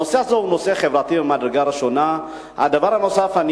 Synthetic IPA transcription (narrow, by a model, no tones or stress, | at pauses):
oseazouno̞se̞χe̞vʁat̪ibemad̪ɾe̞ɡaɾiʃo̞na | a̰d̪avaʁhano̞safan